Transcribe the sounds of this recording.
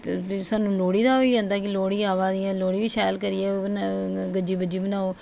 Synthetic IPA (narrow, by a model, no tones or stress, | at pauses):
pʰɪɾsaːnũːloːɽiːd̪aːɦoiːd͡ʒãːnd̪aːkɪloːɽiːaːʋaːd̪iãːloːɽiːʋiːʃɛːlkəɾɪːɛːon | ɡəd͡ʒiːbəd͡ʒiːbənaːoː